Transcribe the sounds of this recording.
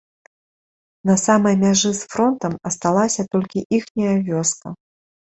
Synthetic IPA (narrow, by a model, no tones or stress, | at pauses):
nɐsamɐjmʲaʐɨsfɾɔnt̪ɐmɐst̪alˠasʲɐt̪ɔlʲkʲiʔixnʲɐjɐvʲɔskɐ